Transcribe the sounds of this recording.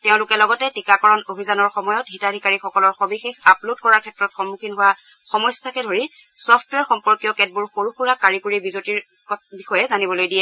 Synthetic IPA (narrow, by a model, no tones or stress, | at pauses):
teʊ̃lʊkɛlɔɡɔtɛtikakɔɹɔnobʱizanɔɹxɔmɔjɔtɦitadʱikaɹixɔkɔlɔɹxɔbixexaplodkɔɹaɹkʰɛtːɹɔtxɔmːukʰinɦʊwa | xɔmɔjsakɛdʱoɹi | sɔpʰtwɛɹxɔmpɔɹkijɔkɛt̚buɹxoɹuxuɹakaɹikuɹibizotiɹ | kɔbixɔjɛzanibɔlojdijɛ